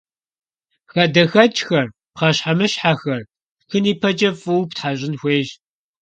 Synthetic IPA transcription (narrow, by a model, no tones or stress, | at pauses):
xɐdɐxɐt͡ʃʼxɐr | pqɐɕħamɨɕħaxɐr | xɨniːpʰɐd͡ʒʼɐfʼɨwptħaɕʼɪnxʷeːʒ